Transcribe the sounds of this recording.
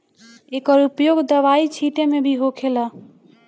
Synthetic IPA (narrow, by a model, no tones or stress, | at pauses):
ekəɾupjoɡd̪əβait͡ʃʰiʈemebʱiɦokʰela